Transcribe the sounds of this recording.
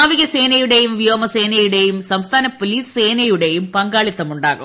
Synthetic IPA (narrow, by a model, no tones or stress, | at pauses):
aːʋiɣɐseːnɐjuɽejumʋijoːmɐseːnɐjuɽe̞jumsɐmst̪ʰaːnɐpoliːsseːnɐjuɽe̞jumpɐŋɡaːɭit̪ːɐmuɳɖaːɣṵ